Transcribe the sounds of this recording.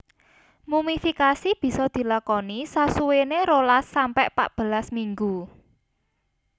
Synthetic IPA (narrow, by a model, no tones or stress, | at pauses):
mumifikasib̥i̤sɔd̪̥i̤lakɔnisasuweneɾolasːampɛʔpa̰ʔb̥ə̤lasmiŋɡu